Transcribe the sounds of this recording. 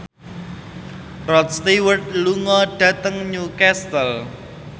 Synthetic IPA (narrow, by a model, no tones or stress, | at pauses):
rɔt̪̚st̪iwərt̪̚luŋɔɖ̥ä̤t̪əŋɲukɛst̪əl